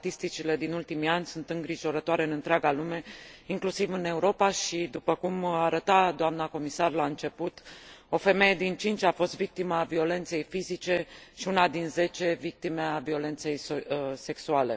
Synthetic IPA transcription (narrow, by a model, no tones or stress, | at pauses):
t̪ist̪it͡ʃile̞d̪inult̪imianʲsunt̪ɨŋɡɾiʒo̞ɾət̪oaɾe̞ɨnɨnt̪ɾaɡalume̞iŋklusivɨne̞uɾo̞paʃid̪upəkumaːɾət̪ad̪oamnəko̞misarlaɨnt͡ʃe̞put̪o̞fe̞me̞je̞d̪int͡ʃint͡ʃʲafo̞st̪vik̚t̪iməːvio̞le̞nt̪se̞jfizit͡ʃe̞ʃiunad̪inze̞t͡ʃe̞vik̚t̪ime̞avio̞le̞nt̪se̞jse̞ksuale̞̰